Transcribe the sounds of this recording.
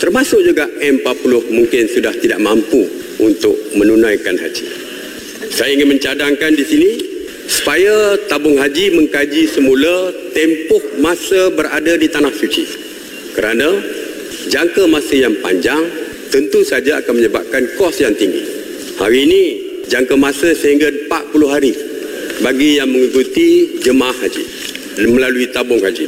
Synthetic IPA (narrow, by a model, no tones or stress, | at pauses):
t̪ərmãsʊʔ̚d͡ʒuɡaʔɛmpapulʊhmuŋkɪnsudaht̪ida̰ʔmãmpu | unt̪ʊk̚mə̃nunãjkanɦa̰d͡ʒḭ | sajaiŋɪnmə̃ɲt͡ʃadaŋkandisini | su̥pajat̪abʊŋɦad͡ʒimə̃ŋkad͡ʒisəmulat̪ɛmpʊhmãsəbəɾa̰dadit̪anahsut͡ʃḭ | kəɾanã | d͡ʒaŋkəmãsəjaŋpa̰ɲd͡ʒaŋ | t̪ənt̪usad͡ʒaa̰kanməɲəba̰p̚kankɔsjaŋt̪iŋɡḭ | ha̰ɾiːni | d͡ʒaŋkamãsəsəɦiŋɡapaʔ̪̚pulʊɦaɾi | baɡijaŋməŋikut̪id͡ʒəmaahhad͡ʒḭ | məlaluit̪abʊŋhad͡ʒḭ